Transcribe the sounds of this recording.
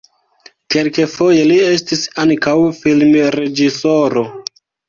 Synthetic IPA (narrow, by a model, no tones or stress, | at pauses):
kelke̞fo̞je̞lie̞stisaŋkawfilmɾe̞d͡ʒiso̞ɾo̞